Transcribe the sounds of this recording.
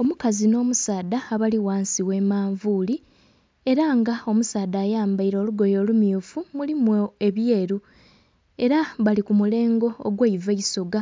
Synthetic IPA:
o̞mukazino̞ːmusaːd̪aːβaliwaːnsiwe̞maːɱvuːli | e̞ɾaŋɡao̞musaːdaːjaːmbaiɾo̞ːluɡo̞jo̞ːlumjuːfumulimoe̞βje̞ːɾu | e̞ɾaβalikumule̞ːŋɡo̞̰ːɡweiveiso̞ɡa

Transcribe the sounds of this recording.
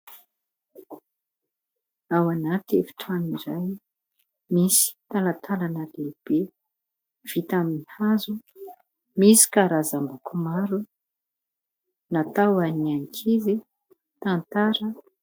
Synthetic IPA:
awanat̪efi̥ʈ͡ʂamiɾaj | misi̥t̪alat̪ʰalanəleb̥e | v̥it̪amihazu | misi̥kaɾazambukumaɾu | nat̪awaniaŋikʰizi | t̪ant̪aɾə

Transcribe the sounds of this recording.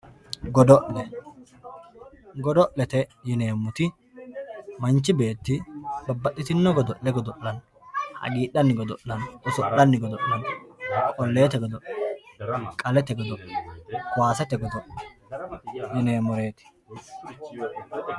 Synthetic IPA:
ɡɔd̪ɔʔlɛ | ɡɔd̪ɔʔlɛt̪ɛjɪne̞ːmʊt̪ɪ | mɐnt͡ʃːɪbe̞ːt̪ːɪbɐbːɐʔːɪt̪ɪnːɔɡɔd̪ɔʔːɛɡɔd̪ɔʔːɐn | hɐ̰ɡiːᶑːɐnːɪɡɔd̪ɔʔːɐnʔɪsɔʔːɐnːɪɡɔd̪ɔʔːɐnkʼɔlːe̞ːt̪ɛɡɔd̪ɔʔɐ | kʼɐlɛt̪ɛɡɔd̪ɔʔ | waːsɛt̪ɛɡɔd̪ɔʔɐ | jɪne̞ːmɔɾe̞ːt̪ɪ̥

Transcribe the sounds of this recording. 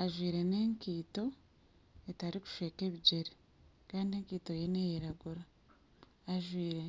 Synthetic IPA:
aʒwiːɾe̞neŋkiːto̞ | etaɾiku̥ʃeːke̞βiɟe̞ɾe | kaːndieːŋkiːto̞jene̞jeɾaɡuɾaː | ʒwiːɾe̞

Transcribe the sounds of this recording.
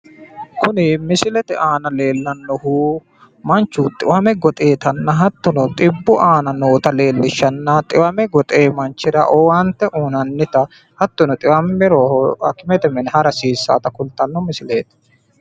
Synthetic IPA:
kʊnɪmɪsɪlɛt̪ɛʔaːnɐle̞ːlːɐnːɔhuː | mɐnt͡ʃːut̪ʼɪwɐmɛɡɔt̪ʼe̞ːt̪ɐnːɐɦɐt̪ːɔnɔt̪ʼɪbːʊʔaːnɐnoːt̪ɐle̞ːlːɪʃːɐnːɐt̪ʼɪwɐmɛɡɔt̪ʼeːmɐnt͡ʃːɪɾɐʔɔːwant̪ːɛʔuːnɐnːɪt̪ɐ | hɐt̪ːɔnɔt̪ʼɪwɐmːɛɾoːhɔɐ̰kɪmɛt̪ɛmɛnhɐɾɐsiːsːa̰ːt̪ɐkʊlt̪ɐnːɔmɪsɪleːt̪ɛ̥

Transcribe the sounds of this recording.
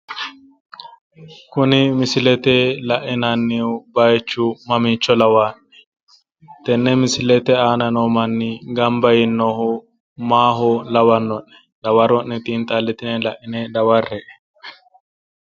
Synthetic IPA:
kʊnɪmɪsɪlɛt̪elɐʔɪnɐnːiwbɐjt͡ʃːʊmɐmiːt͡ʃːɔlɐwaːnɛ̥ | t̪ɛnːɛmɪsɪlɛt̪ɛaːnɐnoːmɐnːiɡɐmbɐjɪnːɔhʊ | maːɦʊlɐwɐnːɔnːɛ̥ | lɐwɐɾɔnːɛt̪ʼiːnt̪ʼɐlːɛt̪ɪnɛlɐʔɪnɛd̪ɐwɐrːɛʔɛ̥

